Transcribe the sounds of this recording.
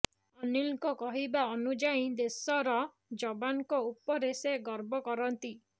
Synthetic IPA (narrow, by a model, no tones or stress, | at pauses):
ɔnilkɔkɔɦibaɔnud͡ʒaĩd̪esɔɾɔ | d͡ʒɔbaŋɔkɔupɔɾeseɡɔɾbɔkɔɾɔnt̪i